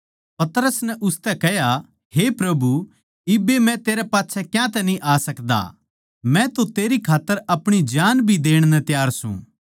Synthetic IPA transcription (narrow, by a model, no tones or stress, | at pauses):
pɐt̪ɾəsnɛʔʊst̪ɛkɛja | ɦepɾɐbu | ɪbemɛ̃t̪eːɾɛpaːtːʃʰɛkjãt̪ɛnĩʔaːsɐkd̪a̰ | mɛ̃t̪ot̪eːɾikʰaːt̪ːəɾɐpɽ̃id͡ʒaːnbʱid̪eːɽ̃nɛt̪jaːɾsṵ̃